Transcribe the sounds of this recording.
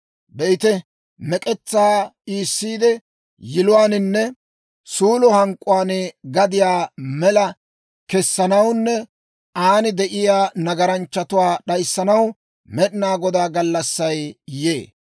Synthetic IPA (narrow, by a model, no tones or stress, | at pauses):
bɛɪt̪ɛ | mɛkʼɛt͡sːaːiːsːiːd̪ɛ | jɪlʊwaːnɪnːɛ | suːlɔhɐŋkʼːʊwaːnɡɐd̪ɪjaːmɛlɐ | kɛsːɐnɐwnːɛ | aːnɪd̪ɛʔɪjaːnɐɡɐɾɐnt͡ʃːɐt̪ʊwaːɗɐjsːɐnɐw | mɛɗɪnaːɡɔd̪aːɡɐlːɐsːɐjjḛː